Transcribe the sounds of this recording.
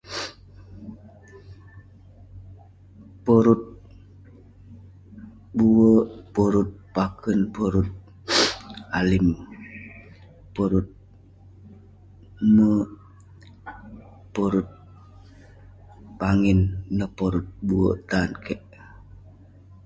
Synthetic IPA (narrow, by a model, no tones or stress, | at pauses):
pɔɾut̪̚ | buəpoɾut̪̚pakʰənpɔɾut̪̚ | alim | poɾut̪̚ | mə | poɾut̪̚ | paŋinːəpɔɾut̪̚buə̰ʔt̪ankʰɛʔ